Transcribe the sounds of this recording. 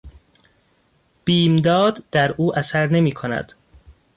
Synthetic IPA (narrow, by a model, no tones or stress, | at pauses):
b̥iːmd̪ɒːd̪d̪æɾʔuːʔæsæɾne̞miːkʰonæ̰d̪̥